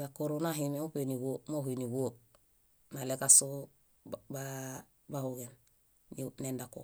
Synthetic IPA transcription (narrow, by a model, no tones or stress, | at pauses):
ɡakoɾonaɦimemupeniwomopiniɡo | nalekaso | ba | bahuɡen | nendako̰